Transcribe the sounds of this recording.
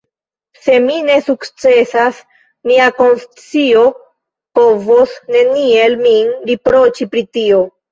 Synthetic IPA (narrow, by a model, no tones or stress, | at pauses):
se̞mine̞sukt͡se̞sas | miako̞nst͡sio̞ | po̞vo̞sne̞nie̞lminɾipɾo̞t͡ʃipɾitio̞